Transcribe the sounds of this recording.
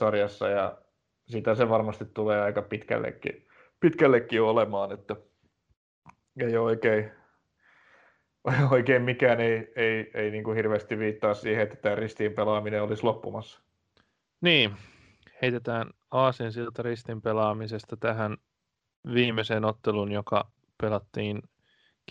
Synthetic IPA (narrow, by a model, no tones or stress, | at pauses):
sɑrjɑsːɑjɑ | sit̪æseʋɑrmɑst̪it̪tuleːɑikɑpit̪kæ̰lːḛkːḭ | pit̪kælːekːiolemɑːnet̪ːæ | eiooikei | oikeimmikæːneieieiniːŋkuhirʋest̪iʋʋiːt̪ːɑːssiːheet̪ːæ̥t̪æːrrist̪iːmpelɑːmineolislopːumɑs | niːn | heit̪et̪æːn | ɑːsinsilt̪ɑrist̪impelɑːmisest̪ɑt̪æɦæn | ʋiːmesenot̪ːelunjokɑ | pelɑt̪ːiːn